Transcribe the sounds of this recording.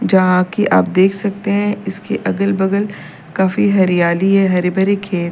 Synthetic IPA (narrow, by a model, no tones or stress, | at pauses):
d͡ʒɐɦãkiʔa̰ːp̚d̪eːkʰsɐk̚t̪eɦɛ̃ɪskeʔɐɡəlbɐɡəl | kaːfiɦɐɾijaːliɦɛɦɐɾebəɾekʰeːl